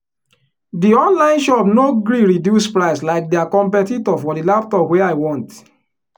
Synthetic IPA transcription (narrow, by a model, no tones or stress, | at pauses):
diɔ̃nlãɪ̃nʃɔpnoɡɾiɹidjuspɹaɪslaɪk̚dɛakɔ̃mpɛtitɔfɔdilap̚tɔpweaɪwɔ̃nt